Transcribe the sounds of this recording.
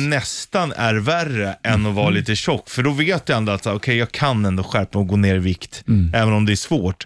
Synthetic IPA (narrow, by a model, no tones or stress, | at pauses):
nɛst̪anæ̰ɾværəʔɛnːɔvɑːliːt̪əɕɔkːfœɖɔveːt̪jand̪at̪saːɾɔkʰɛjɑːɡkʰanɛnd̪oːɧæɾpaɔɡoːneːɾɪvɪkt̪ɛːvənɔmd̪ɛæʂvoːʈ